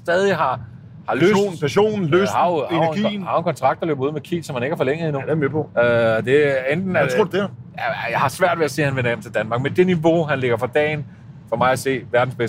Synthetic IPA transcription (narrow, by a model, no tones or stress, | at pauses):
sd̥ɛːðˠiɦɑ̈ | hɑ̈løn̩pʰæɕo̝̰ːnn̩løshɑheninhɑʊenkʰɒ̽nt͡sʰʁɑ̈ɡ̥d̥ɒlø̰ːb̥ɐuð̰ˠmekʰḭsɒ̽mhæne̝ɡ̥æɐfɒ̽leŋ̰ð̩ˠinu̥emepʰɔøɒd̥e̝end̥n̩æo̰ɐd̥eæjɑ̈ɪhɑ̈sʋæɐ̰d̥ʋeæse̝̰ːhænʋenɐjemt͡sʰe̝ld̥ænmɑ̈ːɡ̥mend̥e̝niʋo̝ɦænle̝ɡ̥ɐfɑd̥ɛ̰ːɪn | fɒ̽mɑ̈ɪæse̝̰ːʋæɐd̥n̩sb̥es